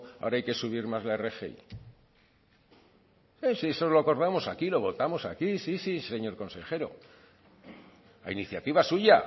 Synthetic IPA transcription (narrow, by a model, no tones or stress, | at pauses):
a̰oɾaajke̞suβ̞iɾmazlae̞re̞xḛḭ | isiesolo̞ako̞ɾðamo̞sakilo̞βo̞t̪amo̞sakisisise̞ɲo̞ɾko̞nse̞xe̞ɾo̰ | a̰iniθjat̪iβasuʝa